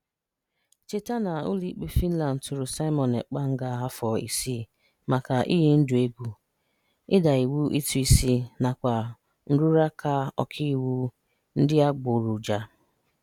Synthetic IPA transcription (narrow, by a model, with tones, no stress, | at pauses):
t͡ʃe˦ta˦na˨ʊ̰˦li˦k͡pe˦fi˦n̩˦la˨n̩˨tʊ˨ɾʊ˨sa˦ɪ˦mɔ˨ne˨k͡pa˦ŋ̩˦ɡa˦˨ɦa˦fɔ˨ḭ˨si˦ | ma˨ka˨ʔḭ˦ɦi˦n̩˦dʊ˨e˦ɡʷu˨ | ɪ˦da˨i˨wu˦ʔi˦tu˨˦i˨si˦na˨kʷa˨ | n̩˦ɾu˦ɾa˦kʰa˦ɔ̰˨kʰi˦˨wu˦ | n̩˦dɪ˦a˦ɡ͡bo˨ɾu˨d͡ʒa˨